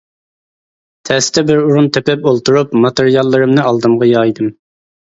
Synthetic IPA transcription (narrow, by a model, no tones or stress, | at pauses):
t̪ʰɛst̪ʰɛbɪɾuɾunt̪ʰøpɛpolˠt̪uɾupmɑt̪eɾijɑlˠːɨɾɨmnɨɑlˠd̪ɨmʁɑjɑːjd̪ɨm